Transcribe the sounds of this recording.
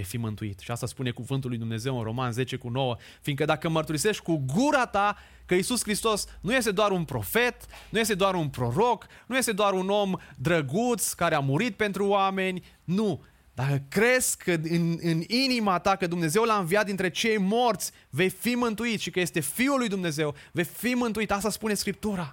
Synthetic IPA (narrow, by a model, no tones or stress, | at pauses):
vejfimɨnt̪uḭt̪ʃiast̪aspune̞kuvɨnt̪ulujd̪umneze̞wɨnro̞̰manze̞t͡ʃe̞kuno̞wə | fiŋkəd̪akəmərt̪uɾise̞ʃt̪ʲkuɡuɾat̪a | kəisuskɾist̪o̞snujes̬t̪e̞d̪oaɾunpɾo̞fe̞t̪nujest̪ed̪oaɾunpɾo̞ɾo̞knuje̞st̪e̞d̪oaɾuno̞md̪ɾəɡut̪skaɾeamuɾit̪̚pe̞nt̪ɾuoame̞nʲ | nu | d̪akəkɾe̞zkʰəɨnɨninimat̪akəd̪umne̞ze̞wlaɨnvijat̪̚d̪int̪ɾe̞t͡ʃe̞jmo̞rt̪sʲ | ve̞jfimɨnt̪uit̪ʃikəje̞st̪e̞fiulːujd̪umne̞ze̞wve̞fimɨnt̪uit̪as̬t̪aspune̞skɾip̚t̪uɾa